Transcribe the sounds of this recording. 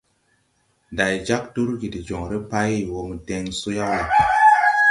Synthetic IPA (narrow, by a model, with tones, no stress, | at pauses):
da˨jd͡ʒa˦k̚tu˦ɾɡi˨di˨d͡ʒo˨ɾe˦pa˦jwo˨mu˨de˦ŋsu˦ja˦wja˨